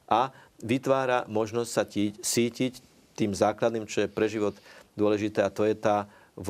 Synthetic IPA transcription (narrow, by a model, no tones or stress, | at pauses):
ʔa | ʋit̪ʋaːɾamɔʒnɔstʲsaciːcsiːcic | t̪iːmzaːklad̪niːmt͡ʃɔjɛpɾɛʒiʋɔt̪d̪ʊɔlɛʒit̪ɛːat̪ɔjɛt̪aː